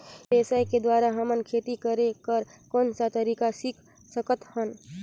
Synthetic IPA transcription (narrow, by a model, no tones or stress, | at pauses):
esaiked̪waːɾaɦəmənkʰeːt̪ikəɾekəɾkɔːnsat̪əɾiːkasikʰ | səkət̪hən